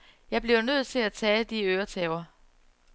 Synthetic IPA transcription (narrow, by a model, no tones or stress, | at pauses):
jɑ̈ɪb̥liʊnøð̞̰ˠt͡sʰe̝læt͡sʰɛːd̥iøːɐt͡sʰɛːʊɐ